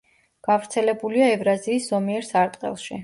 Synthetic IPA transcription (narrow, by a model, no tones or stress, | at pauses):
ɡ̥avɾt̪sʰɛlɛbuliaɛvɾaziːsz̥ɔmiɛɾsaɾt̪ʼqʼɛ̰lˠʃi